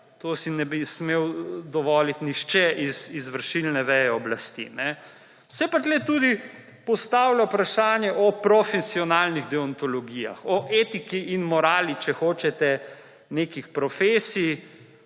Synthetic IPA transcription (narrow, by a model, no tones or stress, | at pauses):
t̪osinɛbismewd̪ɔʋɔːlit̪nixʃt͡ʃɛʔizizʋəɾʃilnɛʋɛːjɛɔblast̪ḭnɛ | wsɛpat̪lɛt̪uːd̪i | pɔst̪aːwlaupɾaʃaːnjɛʔɔpɾɔfɛsiɔnaːlniɣd̪ɛɔnt̪ɔlɔɡiːja̰xɔʔeːt̪ikiinmɔɾaːlit͡ʃɛxoːt͡ʃɛt̪ɛ | neːkixpɾɔfeːsi